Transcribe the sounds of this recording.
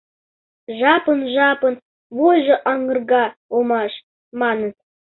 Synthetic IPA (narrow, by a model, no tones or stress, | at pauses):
ʒɑpənʒɑpə̆n | βojʒɤ̆ʔɑŋə̆rɡɑomɑʃ | mɑnə